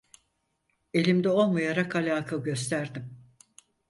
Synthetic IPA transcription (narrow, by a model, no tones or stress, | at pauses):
e̞lʲimd̪ɛo̞lˠmajaɾakʰalʲaːkʰaɟø̞st̪ʰæɾd̪im